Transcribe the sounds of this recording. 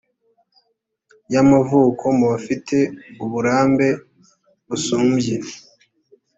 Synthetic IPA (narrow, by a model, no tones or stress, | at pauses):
jamavuːkʰo̞muβafitʰe̞uβuɾaːmbe̞ | βusuːmbje